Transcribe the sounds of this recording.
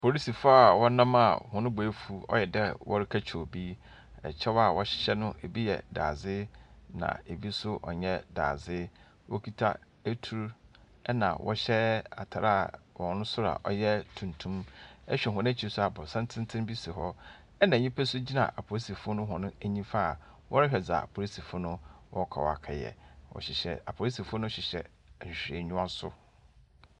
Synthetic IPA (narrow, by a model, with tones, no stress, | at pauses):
pʰo˨ɾi˦si˨fʊ˦a˨wɔ˦nã˦ma̰˦˨hɔ̃˨nʊ̃˦bɔ˨e˦fu˦ɔ̰˦jɛ˨dɛ˦wɔ˦ɾɪ˦kʰa˦t͡ɕʰᶣo˨bi˦ | ɛ̰˨t͡ɕʰɛ˦wa˨wɔ˦ɕɛ˦nʊ̃˦ʔe˨bi˦jɛ̰˨da̰ː˨zɪ˦nã̰˨e˨bi˦sʊ˦ʔɔ̰˨ɲɛ̃˦da̰ː˨zɪ˦ | wɔ˦kʰi˦tʰa˦ | æ˦tʰu˨ɾu˦ | ɛ˦nã̰˨wʔɔ̰˦ɕɛ˦a̰˨tʰa˨ɾa˦˨wɔ̃˨nʊ̃˦sʊ˦ɾa̰˨ʔɔ̰˦jɛ˦tʰũ˨ntʰũ˦mɛ˦ɕᶣɛ˨ɦʊ̃˨ñ˦t͡ɕʰi˨ɾsʊ˦a˨bʊ˨sɛ̃˦n˦tʰɪ̃˦ntʰɪ̃˦m˦bi˦si˨ɦɔ˦ | ɛ˦nã˨ɲĩ˦pʰɛ˦sʊ˦d͡ʑi˦nã̰˨ʔa̰˨pʰo˨ɾi˦si˨fʊ˦nʊ̃˦ɦɔ̃˨nʊ̃˦æ˦ɲĩ˦fa˦˨ | wʔɔ˦ɾɪ˦ɕᶣɛ˨d͡za̰˨a̰˨pʰo˨i˦si˨fʊ˦nʊ̃˦wɔ˦kʰa̰˨w̰a̰˨kʰa˨jɛ̰˨wɔ̰˨ɕɪ˨ɕɛ̰˨a˨pʰo˨li˦si˨fʊ˦nʊ̃˦ɕᶣɪ˨ɕɛ̰˨ | ɛ˨ɕᶣɾe˨ɲũ˦ã˦sʊ̰˦